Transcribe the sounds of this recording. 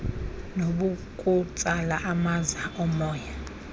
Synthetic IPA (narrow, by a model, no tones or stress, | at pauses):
noɓukʼut͡sʼalaʔamazaʔɔmɔːja